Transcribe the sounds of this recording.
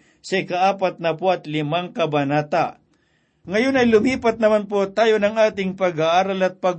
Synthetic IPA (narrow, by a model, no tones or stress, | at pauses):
sɐʔɪkaʔaːpɐt̪̚nɐpoɐt̪lɪmaŋkɐbɐnaːt̪a | ŋɐjonɐjlʊmiːpɐt̪̚nɐmanpot̪aːjonɐŋʔaːt̪ɪŋpɐɡaʔaːɾɐlɐt̪̚pɐɡ